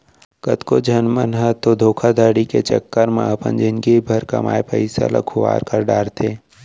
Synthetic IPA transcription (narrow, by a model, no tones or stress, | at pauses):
kɐt̪kod͡ʒʱɐnmənɦət̪od̪ʱoːkʰad̪ʱəːɽikḛt͡ʃəkːəɾmã̰ɐpə̰̃nd͡ʒɪnɡibʱɐɾkɐma̰ːepəɪsa̰la̰kʰʊʋa̰ːɾkəɾɖaːɾt̪ʰeː